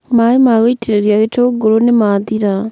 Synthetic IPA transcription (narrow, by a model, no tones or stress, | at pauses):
maimaɣoitʰeɾeɾjaɣetoɡolonemaðiɾa